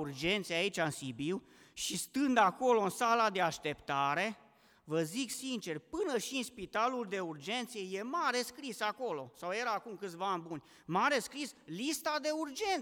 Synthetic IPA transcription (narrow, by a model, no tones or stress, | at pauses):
urd͡ʒe̞nt̪sejeait͡ʃʲaɨnsibiw | ʃist̪ɨnd̪ako̞lo̞ɨnsalad̪e̞aʃt̪e̞pt̪aɾe̞ | vəziksint͡ʃe̞rpɨnəʃiɨnspit̪aluld̪e̞urd͡ʒe̞nt̪sijeje̞maɾe̞skɾisako̞lo̞sawje̞ɾaːkumkɨt̪sʲvanbunʲ | maɾe̞skɾislist̪ad̪e̞urd͡ʒe̞n